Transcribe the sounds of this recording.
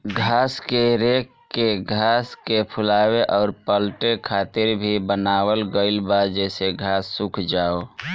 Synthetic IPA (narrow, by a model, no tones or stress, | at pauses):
ɡʱaːskeɾeːk | kːeɡʱaːskepʰʊlaːweʔɔːɾpəlʈekʰaːt̪ɪɾbʱibənaːwəlɡəɪlbad͡ʒɛːseɡʱaːsːʊkʰd͡ʒaːo